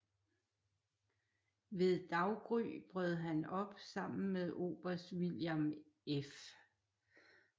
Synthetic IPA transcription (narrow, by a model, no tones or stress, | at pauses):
ʋe̝ðˠd̥ɑ̈ʊɡ̥ʁy̰ːb̥ʁœð̞̩ˠɦænɒ̽b̥sɑ̈m̰n̩meðˠo̝̰ːb̥ɐsd̥ʋiljɑm | ef